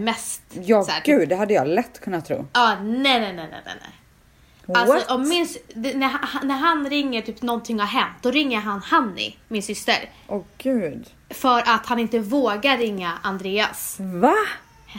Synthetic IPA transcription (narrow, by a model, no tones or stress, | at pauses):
mɛst̪jɑːsæːɡʉ̟ːd̪ːɛɦad̪ːəjɑlɛt̪ːkʰɵnːat̪ʰːɾṵːɑːnɛjnɛnɛnɛ̰nɛ̰nɛ̰ | alsɔʔɔmːɪnsnæɦahnæɾɦanɾɪŋːəʈʰyːpnɔnt̪ʰɪŋhaɾɦɛnt̪̚d̪ɔɾɪŋːəɾɦanhanːɪ̰mɪnsʏst̪ə̰ɾʔɔɡ̥ʉ̟ːd̪ | fœɾʔat̪hanɪnt̪əvoːɡaːɪŋːaʔand̪ɾeːa̰sva